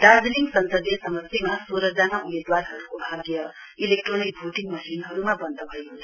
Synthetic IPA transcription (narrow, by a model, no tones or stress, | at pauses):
ɖad͡zliŋɡsʌnsʌd̪jʌsʌmʌsjemasoɾʌd͡zʌnaumed̪warɦʌɾukobʱaɡjʌ | ilek̚ʈronik̚bʱuʈiŋɡmʌsinɦʌɾumabʌnd̪ʌbʱʌjɦunt͡sʰʌ